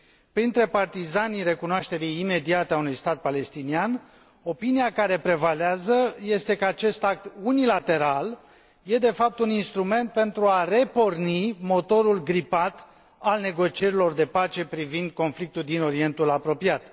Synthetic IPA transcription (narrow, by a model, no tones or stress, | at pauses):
pɾint̪ɾe̞part̪izaniɾe̞kunoaʃt̪e̞ɾijːme̞d̪iat̪eaunujst̪at̪̚pale̞st̪inian | o̞pinijakaɾe̞pɾe̞valeazəje̞st̪e̞kəat͡ʃe̞st̪ak̚t̪unilat̪e̞ɾal | je̞d̪e̞fap̚t̪uninst̪ɾume̞nt̪̚pe̞nt̪ɾuare̞po̞rnimo̞t̪o̞ɾulɡɾipat̪ | alne̞ɡo̞t͡ʃie̞ɾilo̞rd̪e̞pat͡ʃe̞pɾivind̪̚ko̞nflik̚t̪uld̪ino̞ɾie̞nt̪ulapɾo̞piat̪